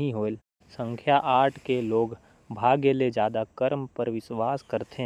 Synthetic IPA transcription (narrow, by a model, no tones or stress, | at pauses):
ĩɦoːl | sə̃ŋkʰjaʔaːʈʰkeloːɡ | bʱaːɡeled͡ʒjaːd̪akəɾmpɐɾʋɪswaːskəɾt̪e